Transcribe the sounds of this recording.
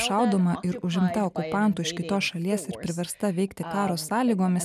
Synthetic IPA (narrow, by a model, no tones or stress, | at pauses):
ʃɑˑʊd̪oːmɐʔɪɾʊʒʲɪmt̪ɐɔkʊpɑˑnt̪ʊɪʃkʲɪt̪oːsʃɐlʲiɛsɪɾpʲɾʲɪʋʲɛɾst̪ɐʋʲɛɪkt̪ʲɪkɑːɾoːsɑːlʲiːɡoːmʲɪs